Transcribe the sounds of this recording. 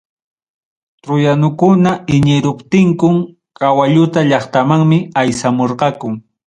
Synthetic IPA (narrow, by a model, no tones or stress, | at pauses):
t̪ɾʊjanʊkʊnaɪɲɪɾʊpt̪ɪŋkʊm | kawaʎʊt̪aʎɑχt̪amaŋmɪajsamoɾqɑkʊŋ